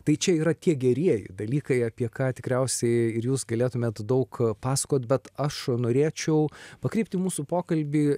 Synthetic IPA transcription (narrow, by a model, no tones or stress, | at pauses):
t̪ɐɪt͡ʃʲɛiːɾɐt̪ʲiɛɡʲɛɾʲiɛjɪ̰d̪ɐlʲiːkɐɪɐpʲiɛkɑːt̪ʲɪkɾʲɛʊsʲɛɪɪɾjuːsɡɐlʲeːt̪ʊmʲeːt̪d̪ɐʊkpɑːsɐ̥koːt̪̚ʲbʲɛt̪ɐʃnoːɾʲeːt͡ʃʲɛʊpɐkɾʲɛɪp̚ʲt̪ʲɪmuːsupoːkɐlʲbʲiː